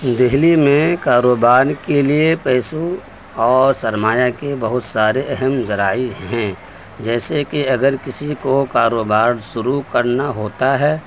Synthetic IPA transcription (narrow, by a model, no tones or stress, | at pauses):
d̪ɪɦlimẽkaːɾoːbaːɾkeliepɛːsu | ɔːɾsɐɾmaːjakebɐɦʊt̪saːɾeʔɛɦɛmzɐɾaːiɦɛ̃ | d͡ʒɛːsekiɐɡəɾkɪsikokaːɾoːbaːɾʃʊɾukɐɾnaɦoːt̪aɦɛː